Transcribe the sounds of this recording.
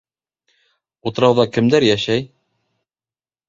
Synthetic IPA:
ut̪ɤ̆ɾɑwðɑkɘ̆md̪æɾjæʃæj

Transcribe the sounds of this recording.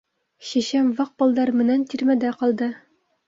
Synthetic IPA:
ɕæɕæmvɑq̚bɤ̆lˠd̪ɑɾmɘ̆nænt̪iɾmæd̪æqɒlˠd̪ɤ

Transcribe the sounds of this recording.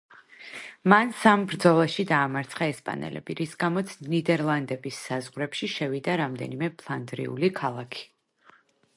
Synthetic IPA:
mansambɾd̪zɔlˠaʃid̪aːmaɾt̪sʰχaɛspʼa̰nɛ̰lɛ̰biɾisɡamɔt̪sʰnid̪ɛɾlˠand̪ɛbisːazʁɾɛpʃiʃɛvid̪aɾamd̪ɛ̰nimɛpʰlˠand̪ɾḭṵlikʰalˠakʰi̥

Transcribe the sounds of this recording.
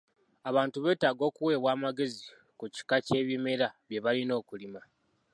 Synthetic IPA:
aβaːntuβe̞ːtaːɡo̞ːkuwe̞ːβwaːmaɡe̞zi | kuci̥kace̞ːβjime̞ɾaβje̞βalino̞ːkulima

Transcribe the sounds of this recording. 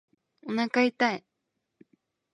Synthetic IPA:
onakait̪aj

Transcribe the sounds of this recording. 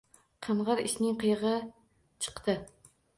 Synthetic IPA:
qʰɑɴʁɑɾɪ̰ʃnɪŋqʰɨjʁɨ | t͡ʃʰɨ̥qt̪ʰɨ

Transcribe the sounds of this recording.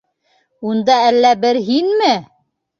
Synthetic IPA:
und̪ɑælːæbɘɾɦinmɘ

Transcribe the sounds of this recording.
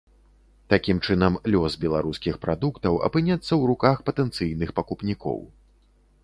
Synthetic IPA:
t̪akʲimt͡ʂɨnɐmlʲɔsbʲɛlˠaɾuskʲixpɾad̪ukt̪ɐwɐ̰pɨnʲɛt̪sːɐwɾukaxpɐt̪ɛnt̪sɨjnɨxpɐkupnʲikɔ̰w

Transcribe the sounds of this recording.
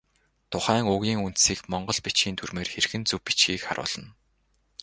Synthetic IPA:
t̪ʰʊχæːŋʊɣʲiːŋun̥t̪siːkmɔɴɢɞ̆ɮpit͡ɕɡiːnt̪ʰurmeːrxerxɘ̆nt͡sɵwpːi̥t͡ɕɡiːkχa̰ɾʔʊ̰ːɮ̥ə̆n

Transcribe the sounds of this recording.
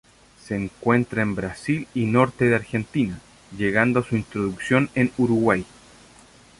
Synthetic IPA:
seːŋkwe̞nt̪ɾaembɾasilino̞ɾt̪e̞ðeaɾxe̞nt̪ina | ʝeɣand̪oasuint̪ɾoðuksjo̞nenuɾuɣwaj

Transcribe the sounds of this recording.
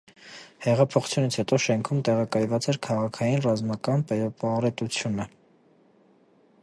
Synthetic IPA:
hɛʁɑpʰɔχu̥t͡sʰjunit͡sʰhɛt̪ɔʃɛŋkʰumt̪ɛʁɑkɑjvɑt͡sɛɾkʰɑʁɑkʰɑjinrɑzmɑkɑnpɛɾpɑɾɛt̪ut͡sʰjunə

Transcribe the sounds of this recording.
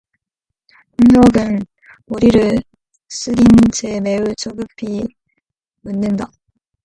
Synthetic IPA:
ɯnɾoɡɯn | uɾiɾɯ | s͈ɯɾint͡ɕʰemeut͡ɕʰoɡɯpʰi | munːɯnd̪a

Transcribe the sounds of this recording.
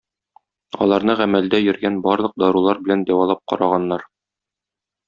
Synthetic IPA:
ɒ̰lˠɑɾnɤʁæmæld̪æjɵ̆ɾɡænbɒɾlˠɤ̆q̚d̪ɒɾulˠɑɾbɘ̆lænd̪æwɑlˠɑp̚qɒ̰ɾɑʁɑnːɑɾ

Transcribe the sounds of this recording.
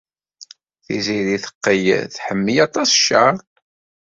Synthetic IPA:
θḭziðiθə̥qːəjθħəmːijɑt̪ˤɑsʃːəɾˤ

